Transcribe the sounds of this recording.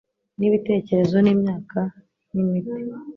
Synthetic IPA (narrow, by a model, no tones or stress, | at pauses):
niβite̞ːce̞ɾe̞zo̞niːmɲaːka | nimiti̥